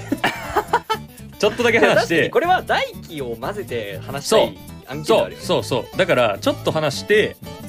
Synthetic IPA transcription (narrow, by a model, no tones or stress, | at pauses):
t͡ɕo̞t̪ːo̞d̪ake̞hanat̪ɕai̥t̪eɲiko̞ɾe̞βad̪aikʲio̞maze̞t̪e̞hanaɕi̥soa̞aːã̰ŋkseoaɾiso̞ːso̞̰ːd̪akaɾat͡ɕo̞t̪ːo̞ɦanaɕi̥t̪e̞